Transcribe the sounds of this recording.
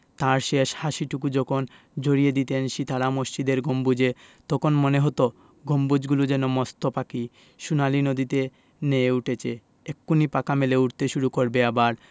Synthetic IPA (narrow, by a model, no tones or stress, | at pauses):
t̪aɾʃeʃhaʃiʈukud͡ʑɔkʰon | d͡ʑoɾijed̪it̪enʃit̪ʰaɾamoʃt͡ɕid̪eɾɡʱombud͡ʑet̪ɔkʰonmoneɦɔt̪o | ɡʱombud͡ʑɡulud͡ʑenomɔst̪ʰopaki | ʃunalinod̪it̪e | neeuʈʰet͡ɕʰe | ekːunipakameleuʈt̪eʃuɾukoɾbeabaɾ